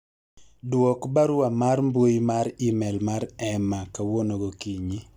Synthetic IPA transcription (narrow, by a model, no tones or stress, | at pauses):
dwɔkbaɾʊamarmbwojmaɾimɛlmaɾɛmakawonoɡokiɲi